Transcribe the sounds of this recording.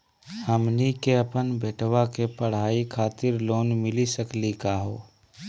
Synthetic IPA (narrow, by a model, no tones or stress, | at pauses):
həmnikeəpənbeːʈʰwakepəɽ̤aːikʰaːt̪ɪɾloːnmɪlisəklikaɦo̰ː